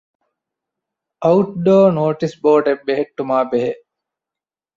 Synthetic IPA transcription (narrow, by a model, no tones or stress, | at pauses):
ɐuʈ̚ɖoːnoːʈisboːɖebːeɦeʈːumaːbeɦeʔ